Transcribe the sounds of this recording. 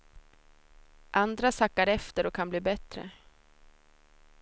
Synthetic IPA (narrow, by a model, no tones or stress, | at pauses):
ʔand̪ɾasakːaɾɛft̪əɾɔkʰːanbliːbɛt̪ɾə̰